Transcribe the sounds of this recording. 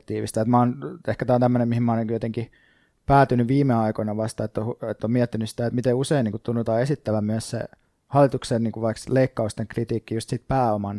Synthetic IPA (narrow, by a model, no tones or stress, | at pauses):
t̪iːʋḭst̪ɑet̪mæoːnehkæt̪æːont̪æmːønemihimæɑoniŋkujot̪eŋki | pæːt̪ynyʋʋiːmeɑikonɑʋɑst̪ɑet̪ːouet̪ːomiɛt̪ːinysi̥t̪æet̪mit̪euseiniːŋkut̪t̪unːot̪ɑːesit̪ːæʋæmyæssḛ | hɑlːit̪uksenniːŋkuʋʋɑiksleikːɑust̪eŋkrit̪iːkːijust̪sit̪̚pæːomɑn